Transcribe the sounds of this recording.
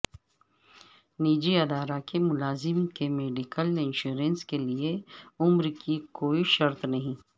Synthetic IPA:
niːd͡ʒiɐd̪aːɾakemʊlaːzɪmkemeːɖɪkəlɪ̃nʃuːɾə̃nskelieʊmɾkʰikoːiʃɐɾt̪nɐɦĩː

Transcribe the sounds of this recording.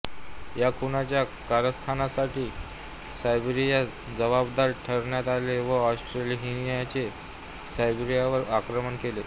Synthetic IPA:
jakʰunat͡ɕjakaɾəst̪ʰanasaʈiː | sajbɾijat͡s | d͡zəʋabd̪aɾʈʰəɾɳjat̪aleʋəɔsʈɾeliɦinjat͡se | sajbɾijaʋəɾakɾəməɳkele

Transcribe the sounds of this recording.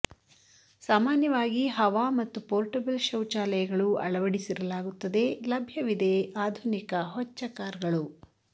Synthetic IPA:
saːmaːnjɐʋaːɡiɦɐʋaːmɐt̪ːupoːɾʈɐbɐlʃɐwt͡ʃaːlɐjɐɡɐɭuɐ̰ɭɐʋɐɽisiɾɐlaːɡut̪ːɐd̪e̞lɐbʱjɐʋid̪e̞aːd̪ʱunikɐɦɔt͡ʃːɐkaːɾɐɡɐɭu

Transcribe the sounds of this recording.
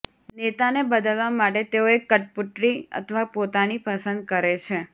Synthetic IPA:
net̪anebəd̪əlʋamaʈet̪eoekːəʈ̚puʈɾiə̰t̪ʰəʋapot̪anipəsə̃nd̪̚kəɾet͡ʃʰe

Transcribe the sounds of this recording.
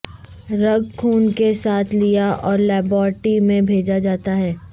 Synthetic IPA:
ɾɐɡkʰuːnkesaːt̪ʰlijaʔɔːɾlɛːbɔːɾʈimẽbʱeːd͡ʒad͡ʒaːt̪aɦɛː

